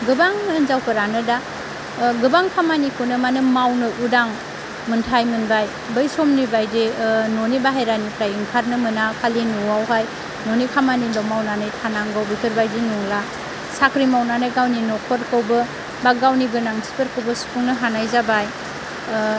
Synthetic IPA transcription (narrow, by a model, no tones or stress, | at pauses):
ɡɯbaŋnzawkʰɯɾanɯda | ɡɯbaŋkʰamanikʰunɯmanɯmawnɯʔudaŋ | mɯntʰajmɯnbaj | bɯjsɔmnibajdenonibaɦajɾanipʰɾajɯŋkʰaɾnɯmɯnakʰalinuwawɦaj | nonikʰamanilɔmawnanajtʰanaŋɡawbəkʰɯɾbajdinuŋla | sakɾimawnanajɡawninɔkʰɔɾkəwbɯ | baɡawnibɯnaŋsi̥pɯɾkəwbəsu̥puŋnɯɦanajzabaj